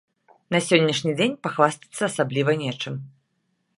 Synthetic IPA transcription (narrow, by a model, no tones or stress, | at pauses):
nɐsʲɔnʲːɐʂnʲid͡zʲenʲpaxvasʲt̪ʲi̥t̪sːɐːsablʲivɐnʲɛt͡ʂɨm